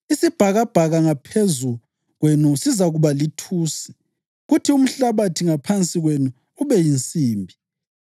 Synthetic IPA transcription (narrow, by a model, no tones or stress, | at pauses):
isib̥ʱaɣab̥ʱaɣaŋapʰezu | ɣwenusizaɣuβalitʰuːsi̥ | ɣutʰium̩ɬaβatʰiŋapʰant͡sʼiɣwenuː | βɛjint͡sʼiːmbʱi